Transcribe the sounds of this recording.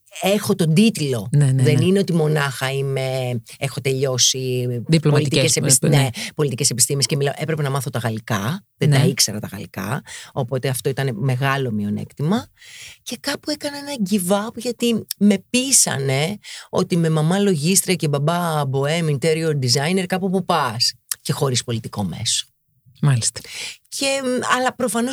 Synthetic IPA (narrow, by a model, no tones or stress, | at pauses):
e̞xo̞t̪o̞nd̪it̪lo̞neðe̞nineo̞t̪imo̞nɐxɐime̞ | exo̞t̪e̞ʎo̞siðiplopɐliit̪esenepo̞lit̪ice̞se̞pist̪imesce̞milɐoʔe̞pɾe̞pe̞nɐmɐθo̞t̪ɐɣɐlikɐðend̪ɐikse̞ɾɐt̪ɐɣɐ̰likɐ̰o̞po̞t̪eɐft̪o̞it̪ɐneme̞ɣɐlo̞mio̞nḛkt̪imɐce̞kɐpue̞kɐneenɐɟivɐpʝɐt̪ime̞pisɐ̰ne̞o̰t̪ime̞mɐmɐlo̞ʝist̪ɾiɐce̞bɐbɐbo̞emint̪eɾiod̪izɐjneɾkɐpupupɐsce̞xo̞ɾispo̞lit̪iko̞me̞̰so̥ | mɐlist̪cʰe̞ɐlɐpɾo̞fɐno̞